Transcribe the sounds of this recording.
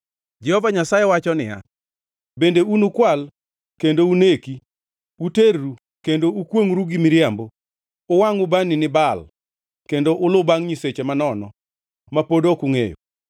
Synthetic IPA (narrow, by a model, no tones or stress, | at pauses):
d͡ʒɛhɔvaɲasajewat͡ʃɔnɪ̰ja̰ | bendeunukwal | kendouneki | uteɾːu | kendoukwoŋɾuɡimɪɾjambo | ʊwaŋʊbaninɪbal | kendoʔʊlʊbaŋɲiset͡ʃemanɔnɔ | mapodokʊŋḛjo̰